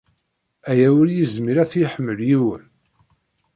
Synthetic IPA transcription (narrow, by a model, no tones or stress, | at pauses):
æjæwʊɾjizmiɾæθjiħəmːəljiwə̰n